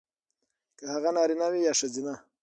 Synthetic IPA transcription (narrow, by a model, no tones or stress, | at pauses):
kahaɣanɑːɾinawijɑʂazina